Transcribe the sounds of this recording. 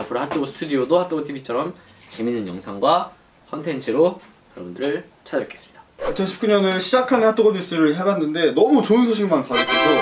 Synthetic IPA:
apʰɯɾohat͈ʰoɡosʰɯ̥tʰudiodohat͈oɡotʰibʰit͡ɕʰʌɾʌm | t͡ɕe̞minːɯnjʌŋsʰaŋɡwa | kʰʌntʰe̞nt͡ɕʰɯɾo | jʌɾʌbundɯɾɯɭ | t͡ɕʰad͡ʑɯk͈e̞s͈ɯ̥mɲid̥ḁat͡ɕʰʌnɕʰip̚k͈uɲʌnɯɕʰid͡ʑakʰanhat͈ʰoɡoɲis͈ʰɯɾɯɭɦebanːɯnde̞nʌmut͡ɕoɯnsʰoɕ̬ʰiɡmanpaɡek͈eɡo

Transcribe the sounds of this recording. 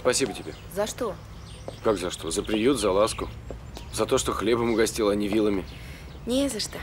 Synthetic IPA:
spɐsʲibətʲɪbʲḛ | zɐʂt̪o | kakzɐʂt̪o̞zəpɾʲɪjut̪zɐlˠaskʊ | zɐt̪o̞ʂt̪o̞xlʲebəmʊɡɐsʲtʲilˠɐnʲɪvʲilˠəmʲɪ | nʲezɐʂt̪o

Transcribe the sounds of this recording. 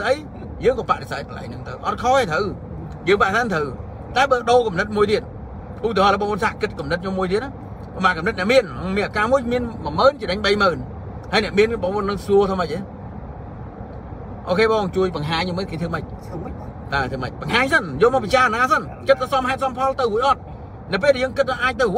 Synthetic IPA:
ʔəj | jəːŋkɔːpaʔɗesaːt̪kəla̰jnɨŋt̪ɨwʔɑt̪̚kʰɔːeːt̪ʰəw | jəːŋpaʔɗesaːt̚t̪ʰəw | t̪aɛɓəːɗoːkɑmnɨt̪̚muəjt̪iət̪̚ | ʔuʔt̪iːəhɑːləɓɑːŋoənsaːʔkɨt̪̚kumnɨt̪̚ʰɲomːuəjt̪iəʔaː | pɔmɓaːkɑmnɨt̪̚nɛəʔmiənmiənʔakaːmuəjmiənməməːnt͡ɕəɗəɲɓəjməːn | həjnɛ̆əʔmiənɓɑŋʔoənːɨŋsuət̪ʰəːməc̚ʔeː | ʔoːkʰeːɓɑːŋt͡ɕuəjpɑŋɦaːɲːomət̚keːt̪ʰɨməc̚ | t̪aːt̪ʰəmə̰c̚pɑŋɦaːɲsənjɔːmɔpit͡ɕaːnaːsən | kɨt̪̚ʰːaːsɑmɦaɛt̪̚sɑmpʰɑlt̪ɨwɦuəjʔɑt̪̚ | nɨwp̬eːlɗɛjəːŋkɨt̪̚ːaʔaːc̚t̪ɨwɦ

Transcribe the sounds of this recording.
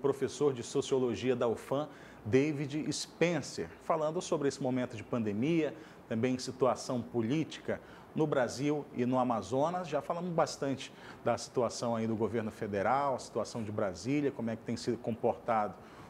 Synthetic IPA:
pɾofesoɾd͡ʒɪsosioloʒiɐd̪ɐofɐ̃ | d̪evid͡ʒɪispẽsḛɾfalɐ̃nd̪ʊsobɾɪesɪmomẽnt̪ʊd͡ʒɪpɐ̃nd̪emiɐ | t̪ɐ̃mbẽj̃sit̪uasɐ̃w̃polit͡ʃi̥kɐ | nʊbɾaziwɪnʊamazõnɐsʒafalɐ̃mʊzbast̪ɐ̃nt͡ʃɪ̥ | d̪ɐsi̥t̪uasɐ̃w̃aid̪ʊɡoveɾnʊfed̪eɾawɐsi̥t̪uasɐ̃w̃d͡ʒɪbɾaziljɐkõmʊɛkɪ̥t̪ẽj̃sid̪ʊkõpoɾt̪ad̪ʊ

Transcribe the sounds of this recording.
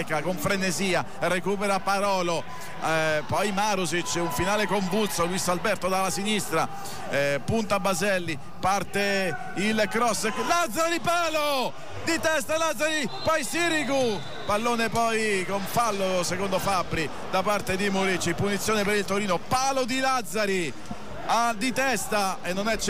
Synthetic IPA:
kakoɱfɾeneziːa | rekuːpeɾapaɾɔːlo | pɔjmaːɾozit͡ʃːuɱfinaːlekoɱvut̪sːovist̪albɛrt̪od̪alasinist̪ɾa | punt̪abːazɛlːi | part̪e | ilkɾɔsːlad̪zaɾad̪ipaːlo | d̪it̪ɛst̪alad̪zːaɾipɔjsiɾiku | palːoːnepɔjkoɱfalːosekond̪ofabɾi | d̪apart̪ed̪imuɾit͡ʃːipunit̪sjoːnepeɾilt̪oɾiːnopaːlod̪ilad̪zːaɾi | ad̪it̪ɛst̪aenːonɛt͡ʃː

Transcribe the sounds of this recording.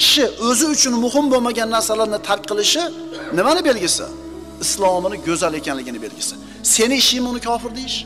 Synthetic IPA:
ɪ̥ʃɪɵzɪʊt͡ʃʰʊnmʊɦɪmbomaɡʲanːaɾsalaɾnɪt̪ʰaɾkʲqʰɨlˠɪʃɪnɪmanɪbe̞lɡʲɪsɪ̰ | ɪslˠɒmnɪɡʲɵzale̞kʲanlɪɡʲɪnɪbe̞lɡʲɪsɪ̥ | se̞nɪɪʃɪjɪmʊnɪkʲʰɒfɪɾd̪ejɪʃ

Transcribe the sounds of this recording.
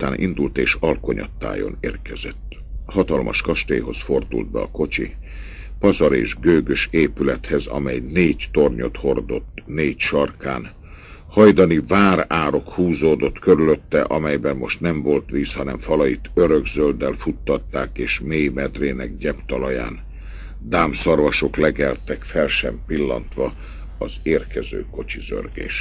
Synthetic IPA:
t̪aːnʔḭnd̪ult̪eːʃɒlko̞ɲɒ̰t̪ːa̰ːjo̞̰neːrkɛzɛt̪ː | ɦɒt̪ɒlmʔɒ̰ʃkɒʃt̪ḛːɦo̞sfo̞rd̪ṵld̪̚bɛ̰ɒ̰ko̞t͡ʃḭ | pɒzɒɾḛːʒɡøːɡøʃeːpylɛt̪hɛzɒ̰mɛjneːɟt̪o̞rɲo̞t̪ho̞rd̪o̞̰t̪ːneːcʃɒrkaːn | hɒjd̪ɒnivaːɾaːɾo̞khuːzoːd̪o̞t̪køɾyløt̪ːɛ̰ʔɒmɛjbɛnːo̞ʃt̪nɛɱvo̞lt̪ʋiːshɒnɛ̰ɱfɒlɒjit̪ʰøɾøɡzøld̪ɛlfut̪ːɒt̪ːaːkeːʃmeːjmɛd̪reːnɛ̰ɡ̚ɟɛpt̪ɒlɒja̰ːn | d̪aːmsɒrvɒʃo̞klɛɡɛlt̪ɛkfɛlʃɛmpilːɒ̰nt̪ʋɒ | ɒzeːrkɛzø̰ːko̞t͡ʃizø̰rɡḛːʃ

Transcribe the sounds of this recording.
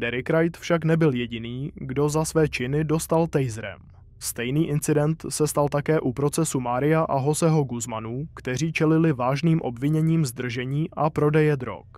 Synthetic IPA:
dɛɾɪkɾajt̪fʃaknɛbɪljɛɟɪniːɡdo̞zasvɛːt͡ʃɪnɪdo̞st̪alt̪ɛjzɾɛ̰m | st̪ɛjniːʔɪnt͡sɪdɛnt̪sɛst̪alt̪akɛːʔupɾo̞t͡sɛsumaːɾɪjaʔaɦo̞zɛɦo̞ɡuzmanuːkt̪ɛr̝iːt͡ʃɛlɪlɪvaːʒniːmʔo̞̰bvɪɲɛɲiːmzd̪r̩ʒɛɲiːʔapɾo̞dɛjɛd̪ɾo̞̰k

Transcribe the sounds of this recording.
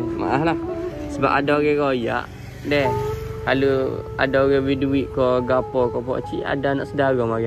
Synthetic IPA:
ma̰ʔahlahsəba̰padaoɣɛɾoja̰ʔ | dɛhkaloa̰daoɣɛwiduiʔkɔɡapɔkɔpɔ̰t͡ʃḭa̰danaʔsədaɣɔŋmaɣɛ

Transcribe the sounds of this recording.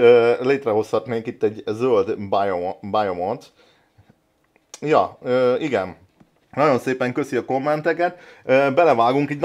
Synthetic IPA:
øːleːt̪rɛɦo̞shɒt̪neːŋkit̪ːɛɟzøld̪bajobajomot̪ | jɒøːiɡɛn | nɒɟo̞nseːpɛŋkø̞siɒko̞mːɛnt̪ɛkɛt̪øːbɛlɛvaːɡuŋkɛɟn

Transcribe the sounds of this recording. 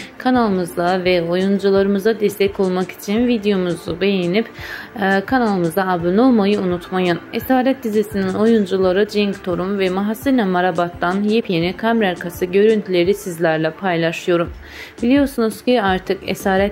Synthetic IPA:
kʰanalˠɯmɯzd̪avɛo̞jund͡ʒulˠaɾɯmɯzad̪ɛst̪ʰɛco̞lˠmaki̥t͡ʃʰinvid̪ejo̞muzube̞jenipː | kʰanalˠɯmɯzd̪aabɯno̞lˠmajɯunut̪majɯnesaːɾɛt̪̚d̪izisinino̞jund͡ʒulˠaɾɯd͡ʒiŋkt̪ʰo̞ɾumvɛmaɦasːɯɾnɛmaɾabat̪ːanjipʰjenikʰamɾaɾkʰasɯɟø̞ɾynt̪ʰylʲe̞ɾisizlʲæɾlʲɛpʰajlˠaʃɯjo̞ɾum | bilʲijo̞ɾsunuz̥ciaɾt̪ʰɯkɛ̰saːɾɛt̪

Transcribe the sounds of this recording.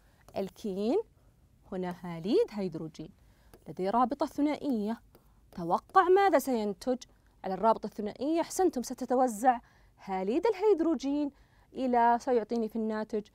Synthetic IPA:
ʔɪlkʰiːn | hʊnahaːliːd̪ɦajd̪ɾuːd͡ʒḭːn | lɪd̪aɾˤɑːbɨt̪ˤɑθːʊnaːʔɪjːa | t̪awɑqːɑʕmaːðasajant̪ɪd͡ʒ | ʕalɑrˤːɑːbɨt̪ˤɑθːʊna̰ːʔɪjːaʔaħsant̪hʊmsat̪at̪awazːaʕ | haːliːd̪ɪlɦajd̪ɾuːd͡ʒiːn | ʔɪlasajʊʕt̪ˤiːnifinːaːt̪ɪd͡ʒ

